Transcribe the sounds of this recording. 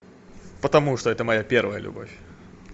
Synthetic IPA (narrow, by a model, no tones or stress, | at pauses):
pət̪ɐmuʂt̪oɛt̪əmɐjapʲervəjə̰lʲʊ̰bo̰fʲ